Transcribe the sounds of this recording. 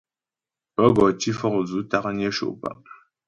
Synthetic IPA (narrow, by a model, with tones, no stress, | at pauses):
pə˦ɡɔ˨ti˦fɔ˦kzu˨˦ta˦kɲe˦ʃo̰˨pa̰˨